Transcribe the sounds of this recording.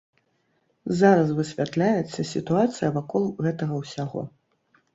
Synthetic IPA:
zaɾɐs̬vɨsʲvʲat̪lʲajɛt̪sːɐsʲit̪uat̪sɨjɐvakɔlˠɣɛt̪ɐɣɐwsʲaɣɔ̰

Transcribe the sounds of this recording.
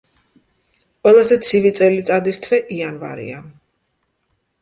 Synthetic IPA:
qʼwɛlˠazɛt̪sʰivit̪sʼɛlit̪sʼad̪ist̪ʰvɛʔianva̰ɾḭa

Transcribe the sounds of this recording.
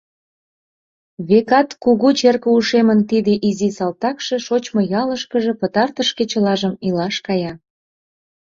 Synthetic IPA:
βekɑt̪kuɣut͡ɕerkəuʃemənt̪id̪eʔizisɑlt̪ɑkʃeʃot͡ɕmojɑləʃkəʒĕpət̪ɑrt̪əʃket͡ɕə̆lɑʒəmilɑʃkɑjɑ

